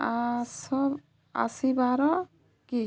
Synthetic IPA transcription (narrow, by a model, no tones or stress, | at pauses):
asɔb | a̰sibaɾɔ | ki